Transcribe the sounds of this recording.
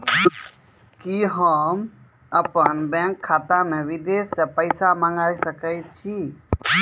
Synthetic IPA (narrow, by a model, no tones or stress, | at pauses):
kiɦəm | əpənbɛ̃ŋkʰːaːt̪amẽʋid̪essepəɪsamaŋɡaːisəkəjt͡ʃʰi